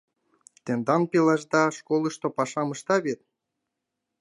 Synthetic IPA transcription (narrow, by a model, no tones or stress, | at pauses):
t̪end̪ɑnpelɑʒd̪ɑʃkolˠɤ̆ʃt̪opɑʃɑmɤʃt̪ɑβet̪̚